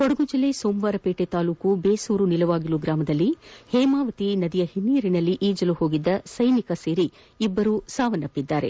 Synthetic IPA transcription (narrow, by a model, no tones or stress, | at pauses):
koɽɐɡud͡ʒɐlesoːmʋaːɾɐpeːʈet̪aːluːkubeːsuːɾunilɐʋaːɡiluɡɾaːmɐd̪ɐlːihɛːmaːʋɐt̪inɐd̪ijɐhinːiːɾinɐlːiʔiːd͡ʒɐluho̞ːɡid̪ːɐsɐjnikɐseːɾi | ibːɐɾusaːʋɐnɐpːid̪ːaːɾe̞̰